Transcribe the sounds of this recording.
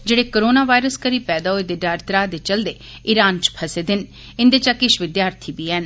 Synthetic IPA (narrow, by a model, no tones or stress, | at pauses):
d͡ʒeːɽeːkoːɾoːnaːʋaːɪɾəskəɾiːpɛːd̪aːɦoeːd̪eːɖaːɾt̪ɾaːd̪eːt͡ʃəld̪eːɪɾaːnt͡ʃpʰəseːd̪ɪn | ɪnd̪eːt͡ʃakɪʃʋɪd̪jaːɾt̪ʰiːbiːɦɛːn